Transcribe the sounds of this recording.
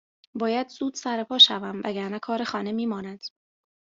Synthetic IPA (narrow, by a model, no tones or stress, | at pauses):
bɒːjæd̪zuːd̪̥sæɾepʰɒːʃævæmvæ̰ɡæɾnækʰɒːɾexɒːne̞miːmɒːnæd̪̥